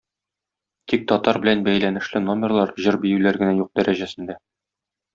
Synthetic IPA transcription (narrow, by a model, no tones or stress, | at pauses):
t̪ik̚t̪ɒt̪ɑɾbɘ̆lænbæjlænɘ̆ʃlɘno̞mʲɪrlˠɑɾʑɤɾbijɘlæɾɡɘ̆næjuq̚d̪æɾʔæʑæsɘ̆nd̪æ